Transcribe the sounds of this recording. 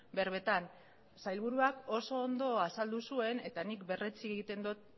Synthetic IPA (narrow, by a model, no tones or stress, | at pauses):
be̞ɾβe̞t̪an | sajlβ̞uɾuako̞so̞ːnd̪o̞asald̪usue̞ne̞t̪anikbe̞rʔe̞t͡sieɣit̪e̞nd̪ot̪̚